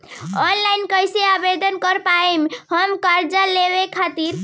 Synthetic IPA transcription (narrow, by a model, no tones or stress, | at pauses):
ɔnlajnkəjseabed̪ʱənkəɾpaemɦəmkaɾd͡ʒalebekʰat̪iɾ